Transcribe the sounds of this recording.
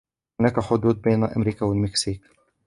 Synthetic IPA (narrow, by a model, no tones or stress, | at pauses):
ʊnaːkaħʊd̪uːd̪̚beːnaʔa̰mɾiːkawalmɪksiːk